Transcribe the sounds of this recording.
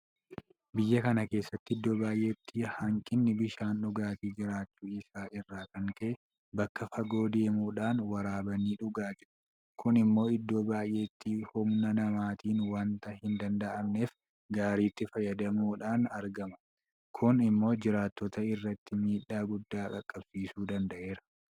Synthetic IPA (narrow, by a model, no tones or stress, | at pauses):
bɪjːɐkɐnɐke̞ːsːɐt̪ːɪɪd̪ːoːbaːjʔe̞ːt̪ʰːɪhɐŋkʼɪnːɪbɪʃaːnᶑʊɡaːt̪iːd͡ʒɪɾaːt͡ʃːuːɪsaːʔɪrːaːkɐŋkɛ | bɐkːɐfɐɡo̞ːd̪eːmuːᶑaːnwɐɾaːbɐniːᶑʊɡaːd͡ʒɪɾʊ | kʰʊnɪmːo̞ːɪd̪ːo̞ːbaːjʔe̞ːt̪ːiːhʊmnɐnɐmaːt̪iːnwɐnt̪ɐhɪnd̪ɐnd̪ɐʔɐmne̞ːf | ɡaːɾiːt̪ːɪfɐjɐd̪ɐmuːᶑaːnɐɾɡɐmɐ̥ | kʰʊnɪmːo̞ːd͡ʒɪɾaːt̪ːɔt̪ɐɪrːɐt̪ːɪmiːᶑaːɡʊd̪ːaːkɐkʼːɐbsiːsuːd̪ɐnd̪ɐʔe̞ːɾɐ